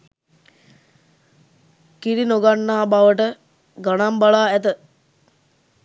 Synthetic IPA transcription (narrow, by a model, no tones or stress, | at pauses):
kiɾinoɡanːaːbaʋəʈə | ɡanambaɭaːæt̪ə